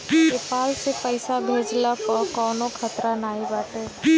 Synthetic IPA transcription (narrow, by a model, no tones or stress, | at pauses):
eːpaːlsepəɪsabʱeːd͡ʒlapɔːɾkɔːnõkʰət̪ɾanaːibaːʈeː